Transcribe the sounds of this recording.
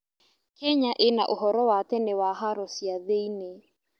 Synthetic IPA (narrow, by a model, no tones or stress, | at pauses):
kɛɲaʔenaʔoɦɔɾɔwat̪ɛnewaɦaɾɔsiaðeine